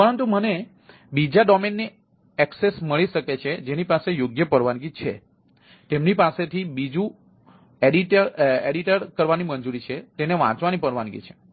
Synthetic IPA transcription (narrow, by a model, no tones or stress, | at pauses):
pəɾənt̪uməne | bid͡ʒaɖɔmenːi | ɛksesməɭiʃəket͡ʃʰed͡ʒenipasejoɡjəpəɾʋanɡit͡ʃʰe | t̪emnipaset̪ʰibid͡ʒũ | eɖiʈəɾeɖiʈəɾkəɾʋanimənd͡ʒuɾit͡ʃʰet̪eneʋã̰t͡ʃʋanipəɾʋanɡḭt͡ʃʰe̥